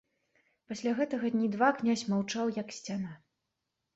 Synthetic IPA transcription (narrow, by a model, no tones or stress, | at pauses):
pasʲlʲaɣɛt̪ɐɣɐd̪ʲnʲid̪vaknʲasʲmawt͡ʂawjɐksʲt͡sʲana